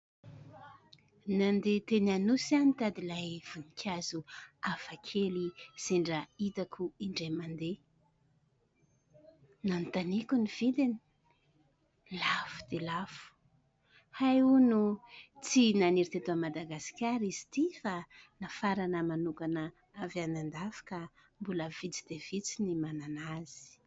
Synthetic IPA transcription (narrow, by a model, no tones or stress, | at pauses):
nand̪et̪enanusanit̪ad̪ilajv̥unikʰʲazuafakʰeliz̥eɳɖ͡ʐəit̪akʰuiɳɖ͡ʐamand̪e | nanit̪anikunivid̪eni̥ | lafu̥d̪elafu̥ | hajunut͡sinaniɾit̪et̪uamad̪aɡasi̥kʲaɾizi̥t̪ifanafaɾanəmanukanə | avanand̪afḁkə | mbuləv̥it͡si̥d̪̥ev̥it͡sinimananaz̥i̥